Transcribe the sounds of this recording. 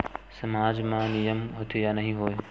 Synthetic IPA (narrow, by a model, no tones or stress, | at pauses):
sɐmaːd͡ʒmãnijəmɦot̪ijanɐɦĩɦoːj